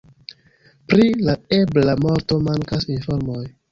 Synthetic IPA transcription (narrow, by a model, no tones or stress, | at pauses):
pɾilaeblamo̞ɾto̞maŋkasinfo̞ɾmo̞j